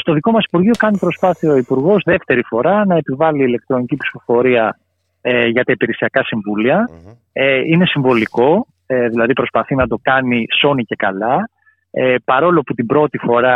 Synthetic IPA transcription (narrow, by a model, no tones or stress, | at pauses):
st̪o̞ðiko̞mɐsi̥puɾʝio̞kɐnipɾo̞spɐθiɐoipuɾɣo̞zðe̞ft̪e̞ɾifo̞ɾɐnɐe̞pivɐliːle̞k̚t̪ɾo̞nicipsi̥fo̞fo̞ɾiɐ | ʝɐt̪ɐipiɾesiɐkɐsiɱvuliɐ | eine̞siɱvo̞liko̞ | eðilɐðipɾo̞spɐθinɐd̪o̞kɐniso̞nice̞kɐlɐ | epɐɾo̞loput̪ibɾo̞t̪ifo̞ɾɐ